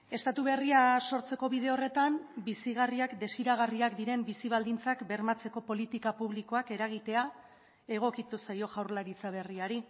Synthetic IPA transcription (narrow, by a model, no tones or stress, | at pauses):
e̞st̪at̪uβ̞e̞riaso̞ɾt͡se̞ko̞βið̞e̞o̞re̞t̪ambisiɣ̞ariakd̪e̞siɾaɣ̞ariakd̪iɾe̞mbisiβ̞ald̪int͡sakbe̞ɾmat͡se̞ko̞po̞lit̪ikapuβliko̞ake̞ɾaɣ̞it̪e̞a | e̞ɣ̞o̞kit̪usajo̞ʝawɾlaɾit͡saβ̞e̞riaɾi